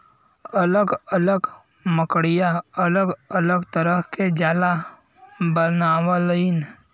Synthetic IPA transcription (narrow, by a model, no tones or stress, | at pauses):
ələɡələɡ | məkɽijaələɡələɡt̪əɾəɦked͡ʒaːla | bənaːwaləɪn